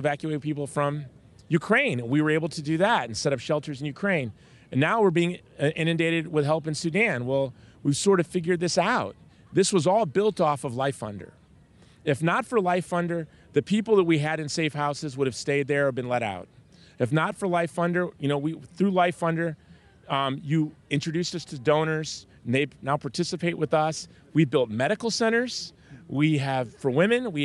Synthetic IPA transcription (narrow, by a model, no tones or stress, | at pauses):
vækjʉeɪt̚pʰipl̩ˠfɹʌ̃m | jʉkʰɹ̥ẽɪ̃nɨ̃nwiwə˞eɪbl̩ˠtʰɨdɨðæɾɨ̃n̩sɛɾʌpʃɛlˠtʰə˞zn̩jʉkʰɹ̥ẽɪ̃n | ɨ̃nːaʊwəɹbiɪ̃ŋ | ʔɪ̃nɨ̃ndeɪɾɨd̚wɪð̥ɦɛlˠpɨ̃nsʉdæ̃nwɛlˠwiv̥sɔɹɾʌv̥fɪɡjə˞d̪̚ðɪsaʊt̪̚ | ðɪswʌzɔlˠbɪlˠtɔfʌvlaɪfʌ̰̃ndə̰˞ | ɨfnətfə˞laɪfʌ̃ndə˞ | ðɨpʰipl̩ˠðət̚wiɨɾɨ̃nseɪfhaʊsɨzwʊɾɨv̥steɪd̪̚ðə˞əbɨ̃nlɛɾa̰ʊt̚ | ɨfnətfə˞laɪfʌ̃ndə˞jɨnoʊwiθɹʉlaɪfʌ̃ndə˞ | jɨɪ̃nt͡ʃɹ̥ɨdʉstʌstʰɨdõʊ̃nə˞z̥ | n̩ðeɪnaʊpʰɑɹtʰɪsɨpʰeɪʔ̚wʔəðʌs | wibɪlˠt̚mɛɾɨkl̩ˠsɛ̃ɾ̃ə˞z̥ | wiɨv̥fə˞wɪ̃mɨ̃nwi